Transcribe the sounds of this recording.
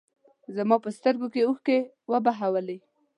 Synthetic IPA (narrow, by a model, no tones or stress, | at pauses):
zamɑpəst̪əɾɡokeuxke | wəbaɦawəle